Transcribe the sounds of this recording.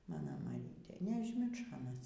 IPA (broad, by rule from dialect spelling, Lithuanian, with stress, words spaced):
ˈmɑːnoː mɐˈrʲiːtʲeː nʲɛɐʒʲˈmʲɪrʃoː ɐˈnɐs